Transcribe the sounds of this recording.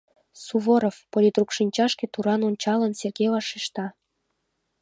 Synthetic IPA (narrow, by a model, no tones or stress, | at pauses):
suβoɾofpolʲit̪rukʃinʲt͡ɕɑʃket̪uɾɑnonʲt͡ɕɑlənserɡevɑʃiʃt̪ɑ